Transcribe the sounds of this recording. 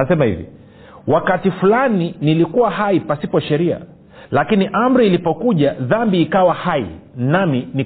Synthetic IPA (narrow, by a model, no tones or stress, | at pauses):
asɛmahḭvḭ | wakatifulaninilikuwaɦaipasipɔʃɛɾia̰ | lakiniʔam̩ɾiːlipɔkuʄaðambiːkawahaḭnamini